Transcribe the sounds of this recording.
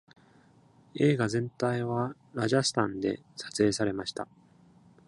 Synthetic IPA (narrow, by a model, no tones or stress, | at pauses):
e̞ːɡazẽ̞nt̪aiβa | ɾaʑasɨ̥t̪ãnd̪e̞̰sḁt͡sɨe̞ːsaɾe̞maɕi̥t̪a